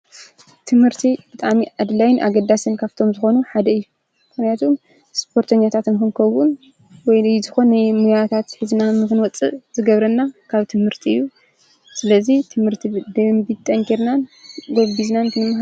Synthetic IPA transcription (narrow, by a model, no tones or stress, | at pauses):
t̪ʰɨmhɨɾt̪ʰib̥ɨt̪ʼamiʔad̪lajɪnʔa̰ɡɐd̪ːasɨnkʰaft̪ʰo̞mzɨxo̞nuħad̪ɐɨjːu | mɨxnjat̪ʰom | spʰo̞ɾt̪ʰɐɲːat̪ʰat̪ɨmkɨnkʰɐwːun | wɔjɨuzɨxonːajmujat̪ʰat̪ħizɨnamɨxɨnwɔt͡sʼːɨʔzɨɡɐβɾɐnːakʰaβt̪ʰɨmhɨɾt̪ʰiɨjːu | sɨlɐzit̪ʰɨmhɨɾt̪ʰid̪ɐmbit̪ʼːɐŋkʰiɾnanɡobiznankʰɨnɨmːaa